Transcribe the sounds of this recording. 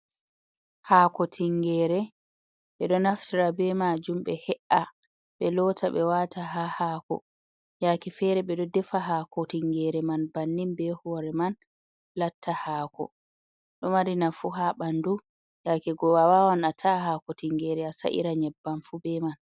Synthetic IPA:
haːkɔtʰiŋɡɛːɾɛ | ɓɛɗɔnaftiɾabɛmad͡ʒumɓɛhɛʔa | ɓɛlɔtaɓɛwataɦahaːkɔ̰ | jakɛfɛɾɛɓɛɗɔdɛfaɦakɔtiŋɡɛɾɛmanbanːimbɛhɔɾɛman | latʰːahaːkɔ̰ | ɗɔmaɾinafuɦaɓandu | jakɛɡɔwawawanatʰahaːkɔtiŋɡɛːɾɛasa̰ʔḭɾaɲɛbːanfubɛman

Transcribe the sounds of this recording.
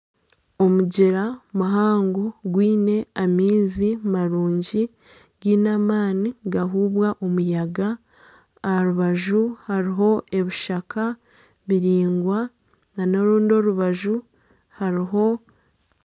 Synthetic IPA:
o̞muɟeɾamuɦaːŋɡoɡwiːne̞amiːzimaɾuːɲɟi | ɡiːnamaːniɡaɦuːβwaʔo̞mujaɡaː | ɾuβaʒuhaɾiɦo̞ʔe̞βiʃakʰa | βiɾiːŋɡwa | nanoɾuːndio̞ɾuβaʒu | haɾiɦo̞

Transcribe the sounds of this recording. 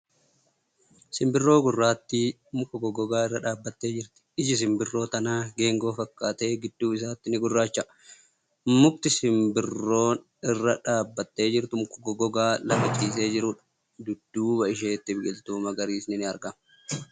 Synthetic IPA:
sɪmbɪrːo̞ːɡʊrːaːt̪ːɪ | mʊkːɔɡɔɡɔɡaːɪrːɐᶑaːbːɐt̪ːe̞ːd͡ʒɪɾt̪ɪ̥ɪd͡ʒɪs̬ɪmbɪrːo̞ːt̪ɐnaːɡe̞ːŋɡo̞ːfɐkːaːt̪e̞ːɡɪd̪ːuːɪs̬aːt̪ːɪnɪɡʊrːaːt͡ʃːɐ | mʊkt̪ɪsɪmbɪrːo̞ːn | ɪrːɐᶑaːbːɐt̪ːe̞ːd͡ʒɪɾt̪ʊmʊkːʊɡɔɡɔɡaːlɐɡɐt͡ʃʼiːs̬e̞ːd͡ʒɪɾʊᶑɐ̥ | d̪ʊd̪̥ːuːbɐɪʃeːt̪ːɪbɡɪlt̪uːmɐɡɐɾiːsnɪnɪɐɾɡɐm

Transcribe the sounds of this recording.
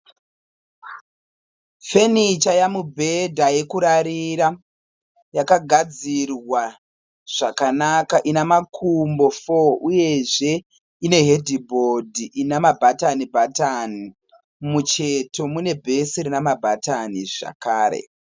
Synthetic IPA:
fe̞nit͡ʃajamubʱe̞dʱaje̞kuɾaɾiɾa | jakaɡʱad͡zirwa | ʐ̥akanakaʔinamakʰumbo̞foʔuje̞ʐe̞ | ine̞ɦe̞dʱibʱodʱiʔinamabʱatanibʱatani | mut͡ʃe̞to̞mune̞bʱe̞siɾinamabʱataniʐa̰kaːɾe̞̰

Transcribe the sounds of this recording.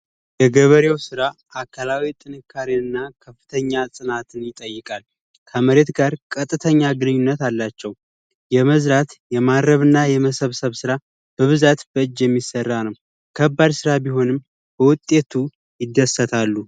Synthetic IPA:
jɛɡəβəɾewsɨɾaʔakʰːəlawit̪ʼɨnɨkʰːaɾiɨnːakʰəfːɨt̪ʰəɲːasʼɨnat̪ʰɨnjɪt̪ʼəjːɨkʼal | kʰəməɾe̞t̪ɡaɾkʼət̪ʼːɨt̪ʰəɲːaɡɨnɨɲːunːət̪alːat͡ʃːɛw | jɛməzɾat̪jɛmadɾəβɨnːajɛməsəβsəβsɨɾa | b̥əβɨzat̪bəɨd͡ʒːjɛmːisːərːanəw | kʰəbːad̪sɨɾabiɦo̞nɨm | b̥əwʊt̪ʼːe̞t̪ʰu | jɪd̪ːəsːət̪ʰalːu

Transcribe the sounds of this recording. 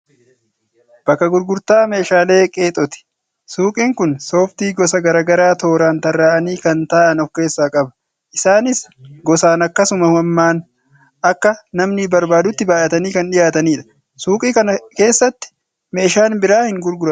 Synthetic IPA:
b̥ɐkːɐɡʊɾɡʊɾt̪aːme̞ːʃaːle̞ːkʼe̞ːt̪ʼɔt̪ɪ̥ | suːkʼiːŋkʊnso̞ːft̪iːɡɔsɐɡɐɾaːɡɐɾaːt̪o̞ːɾaːnt̪ɐrːaːʔɐniːkɐnt̪aːʔɐnɔkːe̞ːsːaːkʼɐbɐ̥ | ʔɪsaːnɪsɡɔsaːnɐkːɐsʊmɐhɐmːaːn | ɐkːɐnɐmnɪbɐɾbaːd̪ʊt̪ːɪbaːʔɐt̪ɐniːkɐnᶑɪjaːt̪ɐniːᶑɐ̥ | suːkʼiːkɐnɐke̞ːsːɐt̪ːɪ̥ | me̞ːʃaːnbɪɾaːhɪŋɡʊɾɡʊɾɐ

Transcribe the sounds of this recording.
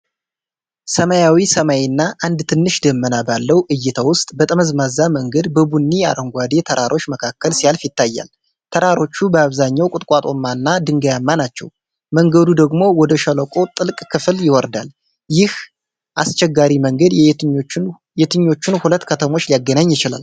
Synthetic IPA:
səmajawisəmajenːaʔand̪t̪ʰɨnːɨʃd̪əmːənabalːəwʔɨjːɪt̪ʰawʊst̪ʼbət̪ʼəməzmazaməŋɡəd̪bəbunːia̰ɾəŋɡʷad̪e̞t̪ʰəɾʔaɾʔo̞t͡ʃːməkʰakːəlsijalfit̪ːajːa̰l | t̪ʰəɾaɾo̞t͡ʃːubəaβzaɲːawkʼʊt̪ʼkʼat̪ʼo̞̰mːanːad̪ɨŋɡəjamːanat͡ʃːɛ̰w | məŋɡəd̪ud̪əɡmo̞wɔd̪əʃələkʼo̞t̪ʼɨlkʼkʰɨfɨljɪwɔɾd̪al | jɪh | ʔast͡ʃɛɡːaɾiməŋɡəd̪j | jɛt̪ʰɨɲːo̞t͡ʃːɪnhulət̪ːkʰət̪ʰəmo̞t͡ʃːlijaɡːənaɲːjɪt͡ʃɪla̰l

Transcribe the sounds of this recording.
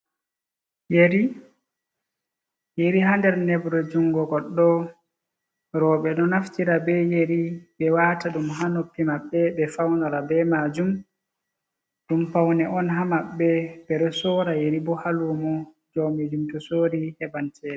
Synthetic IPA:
jeɾi | jeɾiɦandɛɾnɛbɾɔd͡ʒuŋɡɔɡɔlɗɔ | ɾɔːɓɛɗɔnaftiɾabɛjeɾibɛwataɗumɦanopːimaɓːɛbɛfawnalabɛmaːd͡ʒum | ɗumpawnɛʔɔnɦamaɓːɛbɛɗɔsɔːɾajeɾibɔhaluːmɔ | d͡ʒomid͡ʒumtusoɾihɛbantʰɛːɗɛ

